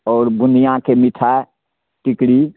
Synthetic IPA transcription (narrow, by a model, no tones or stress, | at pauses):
ɔːɾbʊnijãkemɪʈʰa | ʈɪkɽi